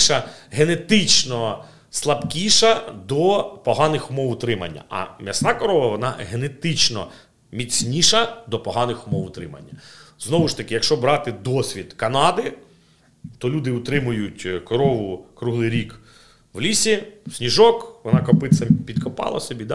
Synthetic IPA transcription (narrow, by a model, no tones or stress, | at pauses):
ʃɐɦenet̪ɪt͡ʃnɔ | slˠɐbkʲiʃɐd̪ɔpɔɦɑnɪxʊmɔwʊt̪ɾɪmɐ̰nʲːɐ̰ʔɐ̰mʲjɐsnɑkɔɾɔʋɐʋɔnɑ̰ɦenet̪ɪt͡ʃnɔ̰ | mʲit͡sʲnʲiʃɐd̪ɔpɔɦɑnɪxʊmɔwʊt̪ɾɪ̰mɐ̰nʲːɐznɔʋʊʃt̪ɐkɪjɐkʃt͡ʃɔbɾɑt̪ɪd̪ɔsʲʋʲid̪kɐnɑd̪ɪ | t̪ɔlʲud̪ɪʊt̪ɾɪmʊjʊtʲkɔɾɔʋʊkɾuɦlˠɪjɾʲik | ʋlʲisʲisʲnʲiʒɔkʋɔnɑkɔpɪt͡s̪ʲːɐpʲid̪kʰɔpɑ̰lˠɐ̰sɔbʲid̪